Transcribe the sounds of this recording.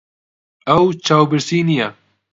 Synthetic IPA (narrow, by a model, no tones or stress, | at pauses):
ɐwt͡ʃʰaːwbɨɾsiːnijɛ